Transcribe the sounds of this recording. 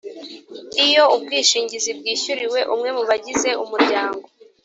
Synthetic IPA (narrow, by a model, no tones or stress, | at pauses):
ijo̞ubɡiːʃiːɲɟizib̚ɡiːçuɾiwe̞ʔumŋe̞muβaɟize̞umuɾɟaːŋɡo